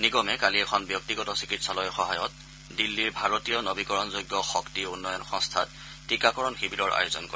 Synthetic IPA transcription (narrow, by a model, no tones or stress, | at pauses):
niɡɔmɛkaliɛkʰɔnbjɔk̚tiɡɔtɔsi̥kitsalɔjxɔɦajɔt̚ | dilːiɹbʱaɹotijɔnobikɔɹɔnzojɡːɔxɔktiunːɔjɔnxɔ̃ŋstʰa̰t | tʰːikakɔɹɔnxibiɾɔɹa̰jozɔnko